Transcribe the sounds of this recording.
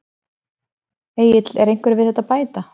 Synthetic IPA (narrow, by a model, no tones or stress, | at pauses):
eːjɪt̪lɛɾejŋ̥kvʏɾɪvɪðɛt̪aðpaːjt̪a